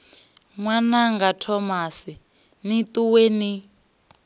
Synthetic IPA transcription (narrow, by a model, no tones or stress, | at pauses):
ŋwanaŋɡatʰɔmasi | nituweni